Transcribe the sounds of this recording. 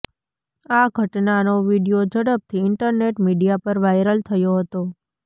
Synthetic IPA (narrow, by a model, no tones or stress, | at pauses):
aɡʱəʈnanoʋiɖijod͡ʒəɽəp̚t̪ʰiɪɳʈəɾneʈmiɖijapəɾʋajɾəlt̪ʰəjoɦət̪o